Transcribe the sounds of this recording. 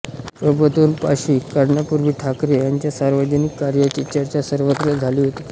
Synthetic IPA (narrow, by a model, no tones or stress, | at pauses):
pəbət̪uːnpa̰ɕiːkaɾɳapuɾʋiːʈʰakɾejaɲt͡ɕjasaɾʋəd͡ʑənikːaɾjət͡ɕit͡ɕaɾt͡ɕasəɾʋət̪ɾəd͡zʱaliːɦot̪i̥ː